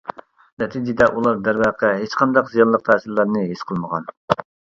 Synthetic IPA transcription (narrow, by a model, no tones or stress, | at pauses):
nɛt̪ʰid͡ʒɪd̪ɛʔulˠɑɾd̪æɾwɑqʰɛɦet͡ʃqʰɑnd̪ɑqzijɑlˠːəq̚t̪ʰɛːsɪɾlæɾnɨɦesqʰəlˠməʁɑn